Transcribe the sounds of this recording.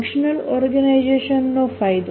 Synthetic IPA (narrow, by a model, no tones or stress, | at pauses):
kʃonelɔɾɡanajd͡ʑeʃonːofajd̪